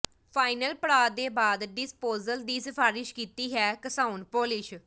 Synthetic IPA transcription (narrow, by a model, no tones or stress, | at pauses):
pʰaːɪnəlpəɽaːd̪eːbaːd̪ɖɪspoːzəld̪iːsɪpʰaːɾɪʃkiːt̪iːɦɛːkəsaːunpoːlɪʃ